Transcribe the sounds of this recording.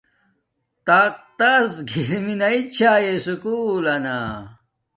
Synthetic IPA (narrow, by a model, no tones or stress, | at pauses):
t̪aq̚t̪asɡʱiɾminɐit͡ɕʰaːjesukuːlɐna̰